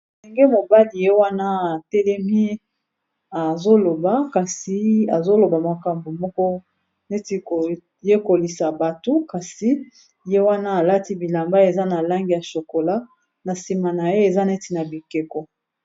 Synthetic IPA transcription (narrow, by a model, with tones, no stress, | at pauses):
sɛ˨ŋɡe˦mo˨ba˦li˨je˦wa˦na˦a˨tɛ˦lɛ˦mi˦ | a˨zo˦lo˨ba˦ka˨si˨a˨zo˦lo˨ba˨ma˨ka˨mbo˨mɔ˦kɔ˦ | ne˦ti˨ko˨ | je˦ko˨li˨sa˨ba˨to˦ka˨si˦ | je˦wa˦na˦a˨la˦ti˦bi˨la˨mba˦e˨za˦na˨la˦ŋɡi˨ja˨ʃo˨ko˨la˦ | na˨si˨ma˨na˨je˦e˨za˦ne˦ti˨na˨bi˨ke˨kɔ˨